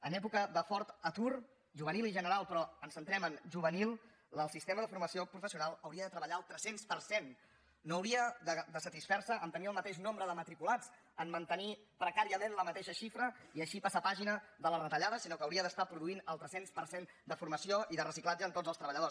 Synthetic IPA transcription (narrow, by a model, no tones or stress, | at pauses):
ənɛpukəðəfɔɾt̪ət̪ur | ʒuβənilˠiʒənəɾalˠpɾɔənsənt̪ɾɛmənʒuβənilˠ | əlˠsist̪eməðəfuɾməsiopɾufəsiunalˠəwɾiəðət̪ɾəβəʎaəlˠt̪ɾɛsenspəɾsenː | oəwɾiəd̪əd̪əsət̪isfɛɾsəʔːnt̪əniəlˠmət̪eʃnombɾəðəmət̪ɾikulad͡z | əmmːənt̪ənipɾəkaɾiəmenləmət̪eʃəʃifɾəiəʃipasapaʒinəðələrət̪əʎaðəsinokəːwɾiəðəst̪apɾuðuinəlˠt̪ɾɛsenspəɾsen | d̪əfuɾməsioʔiðərəsiklad͡ʒəːnt̪od͡zzəlˠst̪ɾəβəʎəðo